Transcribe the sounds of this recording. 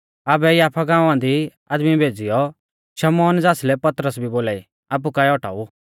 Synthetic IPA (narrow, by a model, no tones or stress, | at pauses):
aːbɛjaːpʰaɡãːʊ̃ãd̪iaːd̪mibʱeːd͡zɪjɔ | ʃɐmɔːnd͡zaːslɛpɐt̪ɾəsbʱiboːlaːi | aːp̬ukaːɛɔʈa̰ːu